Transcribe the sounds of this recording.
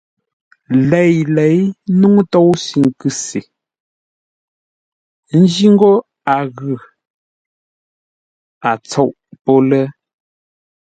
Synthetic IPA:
lɛ˨jlɛ˨˦jnu˦ŋtɔ˦˨wsi˨ŋ˨kʉ˦se˨ | n̩˦d͡ʒi˦ŋ˦ɡo˦ | a˨ɣʉ˨ | a˨t͡sɔ˦˨ʔpɔ˦lɛ˦

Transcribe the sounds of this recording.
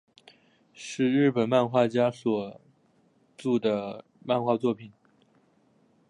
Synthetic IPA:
ʂɻ̩˥˧ɻɻ̩˥˩pə˨˩nma˥˧nxwa˥˩t͡ɕja˥swɔ˨˩ | ʈ͡ʂu˥˩d̪ə˩ | ma˥˧nxwa˥˧t͡swɔ˥˩pʰi˨˩n

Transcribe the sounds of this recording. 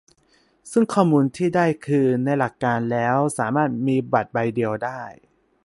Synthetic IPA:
sɯ˥˩ŋkʰɔː˥˩muː˧nt̪ʰiː˥˩daː˥˩jkʰɯː˧na˧jla˨˩kːaː˧nlɛː˦˥wsaː˩˦maː˥˩t̪̚miː˧ba˨˩t̪̚ba˧jdi˧əwdaː˥˩j

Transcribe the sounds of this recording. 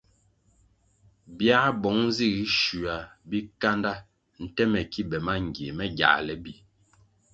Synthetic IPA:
bja˦bɔ˨˦ŋn˦zi˦˨ɣi˨˦ʃu˨a˨bi˦ka˦nda˦ | n̩˨tɛ˦mɛ˨ki˦bɛ˨ma˦ŋ˨ɡje˨mɛ˦ɡja̰˨ʔlɛ˨bi˨

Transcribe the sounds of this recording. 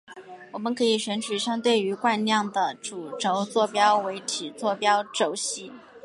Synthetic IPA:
wɔ˨˩mə˦nkʰɤ˧˥i˨˩ɕɥɛ˧˥nt͡ɕʰy˧˥ɕjɑ˥ŋt̪we˥˩ɪy˧˥kwa˥˧nljɑ˥˩ŋd̪ə˩ʈ͡ʂu˨˩ʈ͡ʂo˧˥ʊt͡swɔ˥˩pjɑ˥ʊwe˧˥ɪt̪ʰi˨˩t͡swɔ˥˩pjɑ˥ʊʈ͡ʂo˧˩ʊɕi˧˥˦

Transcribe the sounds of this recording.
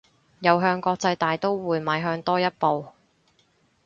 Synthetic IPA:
jɐ˨˧wɦœː˧ŋkɔː˧k̚t͡sɐ˧jt̪aː˨jt̪o˥wwuː˨˧jmaː˨˧jɦœː˧ŋt̪ɔː˥jɐ˥t̚po˨w

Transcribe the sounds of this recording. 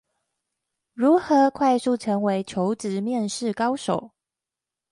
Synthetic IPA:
ɻu˨˥xɤ˨˦kʰwa˥˧ɪsu˥˩ʈ͡ʂʰɤ˧˥ŋwe˧˥ɪt͡ɕʰjo˧˥ʊʈ͡ʂɻ̩˧˥˦mjɛ˥˨˧nʂɻ̩˥˨kɑ˥ʊʂo˨˩˦ʊ

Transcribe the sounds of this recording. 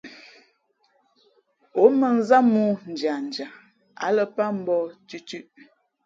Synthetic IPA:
o˨˦mə˨n̩˦za˦mu˦n̩˨d͡ʒa˨n̩˨d͡ʒa˨ | a̰˨˦lə˨pa˦m̩˦bɔ˦tʉ˦t͡ʃʉ˦ʔ

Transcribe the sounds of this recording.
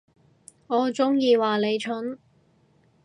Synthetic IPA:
ŋɔː˨˧t͡sʊ˥ŋjiː˧waː˨˩le˨˧jt͡ʃʰɵ˨˥n

